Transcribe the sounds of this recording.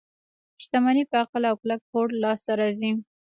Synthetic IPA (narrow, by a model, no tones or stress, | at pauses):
ɪʃt̪amɑnipəaqlawklak̚hoɽlɑst̪aɾɑzi